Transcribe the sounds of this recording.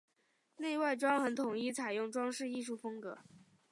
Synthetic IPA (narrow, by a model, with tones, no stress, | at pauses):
ne˥˧ɪwa˥˩ɪʈ͡ʂwɑ˥ŋxə˧˥nt̪ʰʊ˨˩ŋi˥˩t͡sʰa˨˩ɪjʊ˥˩ŋʈ͡ʂwɑ˥ŋʂɻ̩˥˧i˥˧ʂ̬u˥˩fɤ˥ŋkɤ˧˥